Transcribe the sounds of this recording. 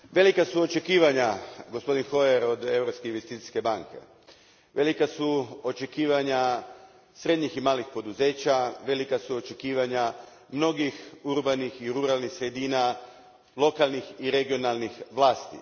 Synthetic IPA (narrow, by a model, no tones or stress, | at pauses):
ʋe̞likasuo̞t͡ʃe̞kiːʋaɲaɡo̞spo̞d̪inxo̞eɾo̞d̪e̞vɾo̞pskeinʋest̪iːt̪i̥ske̞baŋke̞̰ | ʋe̞likasuo̞t͡ʃe̞kiːʋaɲa | sɾe̞d̪ɲiximaːlixpo̞d̪uze̞ːt͡ʃaʋe̞likasuot͡ʃe̞kiːʋaɲa | mno̞ɡixuɾbanixiɾuɾalˠnixsɾe̞d̪iːna | lˠo̞kalˠnixiɾe̞ɡio̞nalˠnixʋlˠaːst̪ḭ